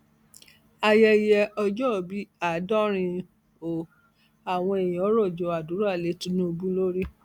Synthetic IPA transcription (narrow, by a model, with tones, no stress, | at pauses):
a˧jɛ˧jɛ˧ɔ˧d͡ʒɔ˦˨bi˨˦a˨dɔ̃˦ɾ̃ĩ˧ | o˨ | a˨w̃ɔ̃˧e˨jĩ˨ɔ˨˦ɾɔ˦˨d͡ʒɔ˨˧a˨du˨˦ɾa˦˨le˨˦tũ˦nũ˦o˧bũ˦lo˦ɾi˦